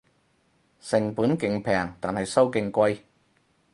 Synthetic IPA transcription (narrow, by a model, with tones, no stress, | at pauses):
sɪ˨˩ŋpuː˨˥nkɪ˨˩ŋpʰɛː˨˩ŋt̪aː˨nhɐ˨˩jsɐ˥wkɪ˧ŋkʷɐ˧j